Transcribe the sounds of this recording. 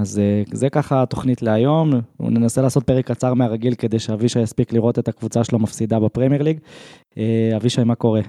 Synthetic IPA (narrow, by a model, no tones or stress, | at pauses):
azezekaχat̪o̞χnit̪le̞ajo̞m̰nenaselaːso̞t̪̚peʁekːat͡saʁmeaʁaɡilke̞d̪e̞jʃeaviʃajaspikliʁo̞t̪e̞t̪akvut͡saʃelomafsid̪abepʁemjeʁliɡ | eaviʃaimako̞ʁe̞